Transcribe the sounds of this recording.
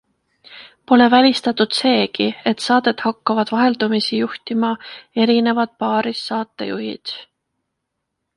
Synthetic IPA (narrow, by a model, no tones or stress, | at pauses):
po̞le̞vælʲist̪ɑt̪ːˑud̪̥se̞ːkie̞t̪sɑːd̪̥e̞t̪hɑkːɑvɑd̪̥vɑɦe̞ld̪̥umisijuht̪imɑe̞ɾine̞vɑd̪̥̚pɑːɾisːɑːt̪ːˑe̞̰jṵɦḭd̪̥